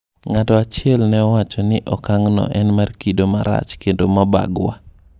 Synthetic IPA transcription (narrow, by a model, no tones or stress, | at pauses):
ŋatɔat͡ʃɪɛlnɛɔwat͡ʃɔnɪʔɔkaŋnɔ̰ʔɛnmarkidomaɾa̰t͡ʃkendomaba̰ɡwa̰